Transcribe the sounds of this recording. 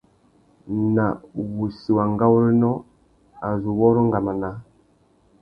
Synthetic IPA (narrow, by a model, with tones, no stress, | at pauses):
na˨wu˨si˨wa˨ŋɡa˦wɾi˦nɔ˦ | a˨zu˨wɔ˦ɾɔ˦ŋɡa˨ma˨na˨˦